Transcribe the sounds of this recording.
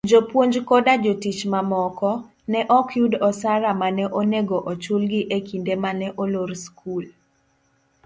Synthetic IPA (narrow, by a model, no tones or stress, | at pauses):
d͡ʒopwoɲd͡ʒkɔdad͡ʒotit͡ʃmamɔkɔ | nɛʔɔkjudɔsaɾamanɛʔoneɡoʔɔt͡ʃulɡɪʔekindemanɛʔoloɾskʰul